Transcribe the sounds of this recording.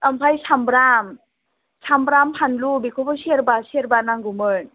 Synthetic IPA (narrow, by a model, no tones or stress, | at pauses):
ampʰajsʰambɾam | sʰambɾampʰanlubikʰɔpɔsieɾbasieɾbanaŋɡumɯn